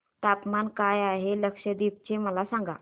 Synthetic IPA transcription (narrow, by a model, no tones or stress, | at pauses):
ʈ̪apmankajaɦeləkʂəd̪ip̚t͡ɕeməlasãŋɡa̰